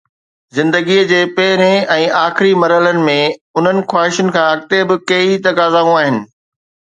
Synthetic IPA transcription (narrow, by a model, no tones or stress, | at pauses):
zɪ̃nd̪əɡiəd͡ʑeːpɛɦɪɾẽɛ̃ːaːxɪɾimɐɾələnɪ̆mẽʊn̤ənɪ̆xwaːɦɪʃʊnɪ̆kʰãɐɡ̚t̪ebɪkɐit̪ɐkaːzaːũaːɦɪnɪ̆